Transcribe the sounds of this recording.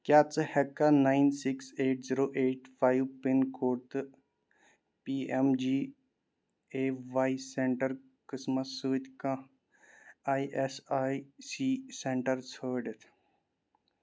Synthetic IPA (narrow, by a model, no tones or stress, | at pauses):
kjaːt͡sɨhɛkːanaːinsɪkseːʈziɾoːʔeːʈfaːjʋpinkoːɾt̪ɨ | piːemd͡ʒiː | eːʋaːisẽɳʈɐɾ | kəsmɐsuːt̪kã | aːiʔesaːisiːsẽɳʈɐɾsʰəːɖet̪ʰ